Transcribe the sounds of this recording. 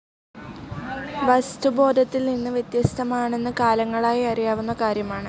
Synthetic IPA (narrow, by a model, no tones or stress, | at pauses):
ʋɐst̪ubo̞ːd̪ʱɐt̪ːilninːɨʋjet̪jɐst̪ʰɐmaːɳe̞nːɨkaːlɐŋːɐɭaːjiɐrijaːʋunːɐkaːɾjɐmaːɳɨ